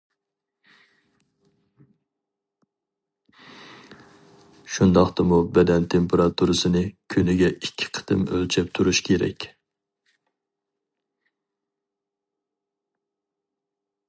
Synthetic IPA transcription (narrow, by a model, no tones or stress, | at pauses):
ʃund̪ɑχt̪ɨmubɛd̪ɛnt̪ʰempeɾɑt̪ʰuɾɨsɨnɨkʲʰynɪɡʲɛʔikʲʰːɪ̥qʰə̥t̪ɪmø̰lt͡ʃʰɛp̚t̪ʰuɾuʃkʲʰeɾɛ̰kʲ